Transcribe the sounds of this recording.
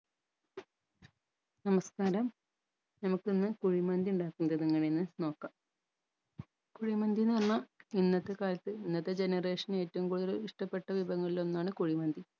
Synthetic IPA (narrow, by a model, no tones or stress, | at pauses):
nɐmɐskaːɾɐm | nɐmukːɨenːɨkuɻimɐnd̪iuɳɖaːkːunːɐðɐniŋːɐɳeinːɨno̞ːkːaːm | kuɻimɐnd̪inirɐnːɐinːɐt̪ːe̞kaːlɐt̪ːɨinːɐt̪ːe̞d͡ʑe̞nɐre̞ːʂɐne̞ːtːɐʋumkuːɽuðɐliʂʈɐpːe̞ʈːɐʋibʱɐŋːɐɭilo̞nːaːɳɨkuɻimɐnd̪i